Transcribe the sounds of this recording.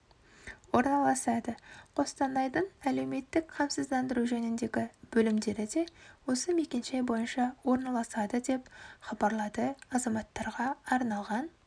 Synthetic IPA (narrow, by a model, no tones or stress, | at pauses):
wo̞ɾnɑlˠɑsɑd̪əqʰo̞st̪ɑnɑjd̪əɴæle̞wme̞t̪ːɪkqʰɑmsəzd̪ɑnd̪əɾuʒɵnɪnd̪e̞ɡʲɪb̥ɵlɪmd̪e̞ɾɪd̪e̞wo̞səmekʲenʃejbo̞jənʃɑwo̞ɾnɑlˠɑsɑd̪əd̪e̞pχɑbɑɾlˠɑd̪əɑzɑmɑt̪ːɑɾʁɑːɾnɑlˠʁɑn